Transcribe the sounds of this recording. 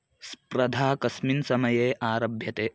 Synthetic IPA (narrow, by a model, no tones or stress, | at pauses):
spɾɐd̪ʱaːkɐsminsɐmɐjeːʔaːɾɐbʱjɐt̪eː